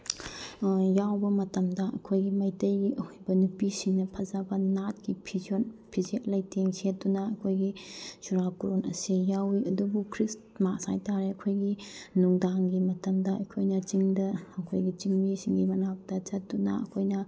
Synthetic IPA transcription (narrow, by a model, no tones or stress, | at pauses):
jawbɐmɐtɐmdɐʔɐkʰojɡimɐjtɐjɡiʔɐhujbɐnupisiŋnɐpʰɐzabɐnat̚ɡipʰizionpʰizet̚lɐjtʰeŋset̚dunɐɐkʰojɡisuɾapuɾonʔɐ̰sijawiʔɐdubukʰɾis | masa̰jtaɾeɐkʰojɡinuŋdaŋɡimɐtɐmdɐɐjkʰojnɐt͡ʃiŋdɐːkʰojɡit͡ʃiŋmisiŋɡimɐnak̚tɐt͡ʃɐt̚dunɐ̰ɐ̰kʰojnɐ